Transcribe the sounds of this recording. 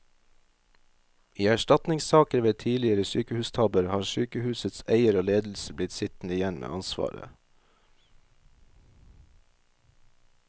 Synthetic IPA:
iːæʃtɑt̪nɪŋssɑːkəɾʋeːt̪ʰiːlɪəɾəsyːkəhʉːst̪ʰɑbəɾhɑːʃyːkəhʉːsət̪sæɪəɾoːleːd̪l̩səblɪt̪sɪt̪n̩ɪjɛnmʔḛːʔɑnsʋɑ̰ːɾə̰

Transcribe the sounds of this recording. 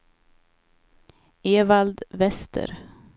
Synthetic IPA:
eːvald̪vɛst̪ʰə̰ɾ

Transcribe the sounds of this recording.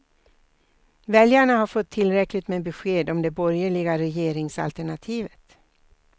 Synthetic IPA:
vɛljaɳaɦaɾfɔt̪ʰːɪlɾɛklɪt̪mebɛɧeːd̪ɔmd̪ɛbɔɾjəɭɪɡaɾɛjeːɾɪŋsa̰lt̪æɳat̪ʰiːvət̪

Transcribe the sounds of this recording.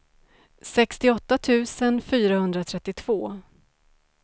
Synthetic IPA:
sɛkst̪ɪɔt̪ːat̪ʰʉ̟ːsənfyːɾahɵnd̪ɾat̪ʰɾɛt̪ːɪt̪ʰv̥oː

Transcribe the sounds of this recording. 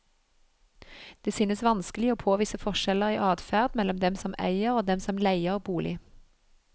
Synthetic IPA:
d̪̥eːsyːnəsʋɑnskəlɪoːpʰoːʋiːsəfɔʁʃɛləʁiːʔɑːd̪fæːʁd̪mɛlɔmd̪ɛmsɔmæ̰ɪəʁoːd̪ɛmsɔmlæɪəʁbuːlʔɪ

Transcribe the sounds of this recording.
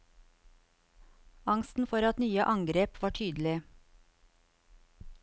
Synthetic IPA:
ɑŋst̪n̩fɔɾɑt̪nyːəʔɑŋɡɾeːpʋɑːʈʰyːd̪l̩ɪ

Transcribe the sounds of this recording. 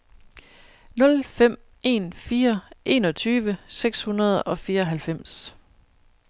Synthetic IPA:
nɔ̽lfem̰ | e̝̰ːnfiːɐʔe̝ːnɒ̽t͡sʰyːʋəseɡ̥shunɐð̞̩ˠɒ̽fiːɐɒɦælfem̰s

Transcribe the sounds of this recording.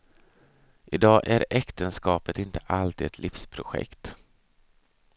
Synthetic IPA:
ʔɪd̪ɑːʔæɾɛkt̪ənskɑːpət̪ɪnt̪əʔalt̪ʰiːd̪ɛt̪ʰlʔɪfspʰɾʊɧɛ̰kt̪

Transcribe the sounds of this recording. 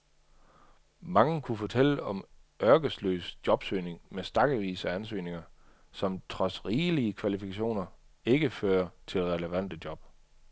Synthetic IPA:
mɑ̈ŋəkʰufɒ̽t͡sʰel̰əɒ̽m | ɶɐɡ̥əslø̰ːsd̥jɒ̽b̥sø̰ːne̝ŋmesd̥ɑ̈ɡ̥əʋḭːsæænsø̰ːne̝ŋɐ | sɒ̽mt͡sʰʁɒ̽sʁiːliəkʰʋælifikʰæɕo̝̰ːnɐe̝ɡ̥əføːɐt͡sʰe̝lʁɛləʋæn̰d̥əd̥jɒ̽b̥

